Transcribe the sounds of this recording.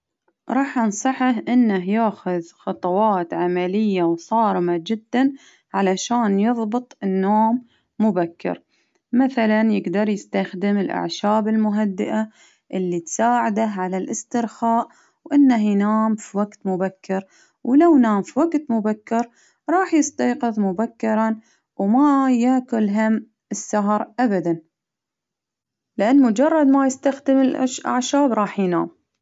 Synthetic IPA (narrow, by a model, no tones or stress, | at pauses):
ɾˤɑːħʔɑnsˤɑħahʔɪnːaɦjaːxʊðxɑt̪ˤɑwɑːt̪ʕamalɪjːawsˤɑːɾɪmad͡ʒɪd̪ːan | ʕalaʃaːnjɨðˤbɨt̪ˤɪnːoːmː | ʊbakːɪ̰ɾ | maθalanjɪɡd̪ɑɾˤjɪst̪axd̪ɪmɪlʔa̰ʕʃaːbɪlmʊɦad̪ːɪʔa | ʔɪlːit̪saːʕad̪aɦʕalalʔɪst̪ɪɾxaːʔ | wʔɪnːahjnaːmfiwaɡt̪mʊbakːɪɾ | wlawnaːmfiwaɡt̪mʊbakːɪɾ | ɾˤɑːħjɪst̪ɑjqɨðˤmʊbakːɪɾˤɑ | wmajaːkʊlɦam | ɪsːaɦɾˤʔabad̪an | lɪʔanːmʊd͡ʒɑrˤːɑd̪majɪst̪axd̪ɪmɪlʔa̰ʕʃaːbɾˤɑːħjna̰ːm